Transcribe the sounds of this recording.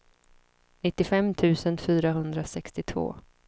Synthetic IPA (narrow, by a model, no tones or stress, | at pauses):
nɪt̪ːɪfɛmːt̪ʰʉ̟ːsənfyːɾaɦɵnd̪ɾasɛkst̪ɪt̪ʰvo̰ː